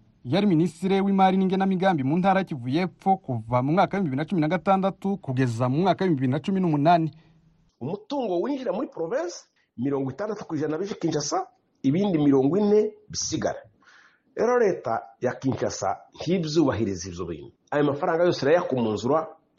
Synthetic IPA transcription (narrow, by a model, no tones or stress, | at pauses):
jaɾiministiɾe̞wimaɾiniːŋɡenamiɡaːmbimuːntaːɾajecivuje̞ːfo̞kuvamumŋaːkaeimbiβiinat͡ʃumiɾnaɡataːndatukuɡe̞zamumŋaːkaweimbiβiɾinat͡ʃuminumunaːni | umutuːŋɡowiːɲɟiɾamuɾipɾoveːsḁ | miɾo̞ːŋɡwitaːndatu̥kwiːʒanaβiʒikiːɲʃasa | iβiːndimiɾo̞ːŋɡwine̞βisiɡa̰ɾa | ḛɾaɾe̞ːta̰jakiːɲʃa̰sa̰n̥hiβzuːβaɦiɾiziβzoβḭːɲuajomafaɾaːŋɡajo̞ːsiɾajakomuːnzuɾwa